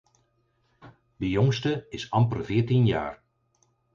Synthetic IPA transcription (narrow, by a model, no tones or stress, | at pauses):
dəjɔŋstəɪsɑmpərvɪːtinja̰ːr